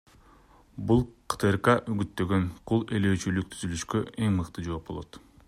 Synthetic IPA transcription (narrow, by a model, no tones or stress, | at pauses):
bulˠqʰɯ̥t̪ʰɯɾqɑʔyɡyt̪ːø̞ɡønqʰulˠe̞løːt͡ʃylyk̚t̪ʰyzylyʃkø̞e̞ŋmɯqt̪ɯd͡ʒo̞ːp̚bo̞lˠot̪